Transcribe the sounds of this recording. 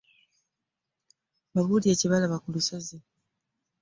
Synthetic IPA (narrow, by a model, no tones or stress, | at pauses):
maβudiaciβalaβakulusazi